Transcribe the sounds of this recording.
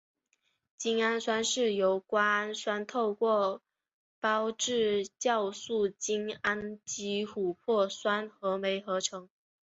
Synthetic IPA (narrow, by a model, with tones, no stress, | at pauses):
t͡ɕi˥ŋa˥nswa˥nʂɻ̩˥˩jo˧˥ʊkwa˥a˥nswa˥nt̪ʰo˥˧ʊkwɔ˥˩ | pɑ˥ʊʈ͡ʂɻ̩˥˩t͡ɕjɑ˥˧ʊsu˥˩t͡ɕi˥ŋa˥nt͡ɕi˧˥xu˨˩pʰwɔ˥˩swa˥nxɤ˧˥me˧˥ɪxɤ˧˥ʈ͡ʂʰɤ˧˥˦ŋ